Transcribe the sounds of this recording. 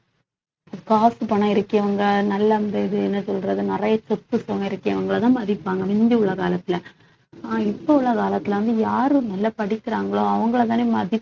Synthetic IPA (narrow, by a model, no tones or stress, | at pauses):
ɐɯkaːsɯpɐɳːɐ̃ɪɾɯkːɪɐʋɐŋɡɐnɐlːɐnd̪ɐɪðɯɛnːɯsɔlɾɐðɯnɪrɐjɐt͡ʃɔt̪ːɯsɐŋɡɐɪɾɯkːɪɐʋɐŋɡɐɭt̪ãːmɐðɪpːaːŋɡɐmɪnd̪iʊɭːɐkaːlɐt̪ːɪlɐ | aːɪpːɐʊɭːɐkaːlɐt̪ːɪlɐʋɐnd̪ɯjaːɾɯnɐlːɐpɐɽɪkːɪɾaːŋɡɐɭoːɐʋɐŋɡɐɭɐt̪ːaːnemɐðɪ